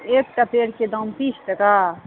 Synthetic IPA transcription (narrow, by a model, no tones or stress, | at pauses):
eːk̚ʈapeɽked̪ɔmpit͡ʃʰʈ̪ɐka